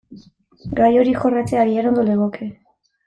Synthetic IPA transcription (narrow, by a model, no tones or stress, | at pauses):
ɡajo̞ɾixo̞rat͡seaɣiano̞nd̪o̞leɣoke